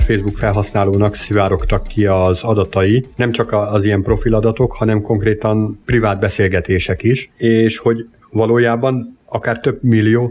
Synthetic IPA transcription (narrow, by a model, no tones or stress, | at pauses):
feːzbukfɛlɦɒsnaːloːnɒksivaːɾo̞kt̪ɒkːiɒzɒd̪ɒt̪ɒjinɛmt͡ʃɒkːzijɛmpro̞filɒd̪ɒt̪o̞khɒnɛmko̞ŋkreːt̪ɒnprivaːd̪̚bɛseːlɡɛt̪eːʃɛkiʃeːʃho̞ɟ | vɒloːjaːbɒnɒkaːrt̪ø̞bmilːijoː